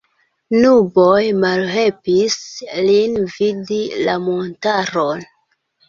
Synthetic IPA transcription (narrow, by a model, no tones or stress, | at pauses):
nubojmalhe̞lpislinvidilamontaɾon